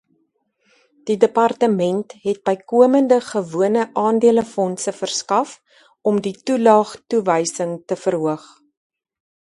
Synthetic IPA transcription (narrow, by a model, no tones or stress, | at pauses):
d̥idəpɐrtəmɛntɦɛt̚bəjkuəməndəχəvuənəʔɑːndiələfɔnsəfərskɐf | ɔmditulɑːχtuvəjsəŋtəfərɦuəχ